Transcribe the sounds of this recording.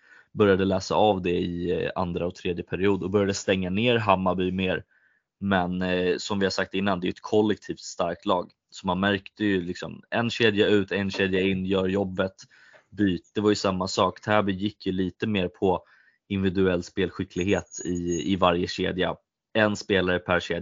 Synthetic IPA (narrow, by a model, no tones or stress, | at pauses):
bœɾjad̪əlæːsa̰avd̪ɛɪa̰nd̪ɾaɔt̪ʰɾeːd̪jəpʰæɾɪuːd̪ɔbœɾjad̪əst̪ɛŋːaneːɾɦamːabyːmeːɾ | mɛnsɔmvɪhasak̚t̪ɪnːand̪ɛjɵɛt̪kʰɔlːɛk̚t̪ʰiːft̪st̪aɾk̚t̪lɑːɡ | sɔmanmæɾkt̪əjɵlɪksɔ̰mɛnɕeːd̪jaʉ̟ːt̪ʰɛnɕeːd̪jaɪnːjœːɾjɔbːət̪ | byːt̪̚d̪̥ɛvaɾjɵsamːasɑːkd̪ʰɛhæbɪjɪkːjɵliːt̪əmeːɾpʰɔ | ɪnvɪd̪ɵɛlːspeːlɧɪkʰlɪɡheːt̪ɪɪvaɾjəɕḛːd̪ja | ɛnspeːlaɾəpʰæɾɕeːd̪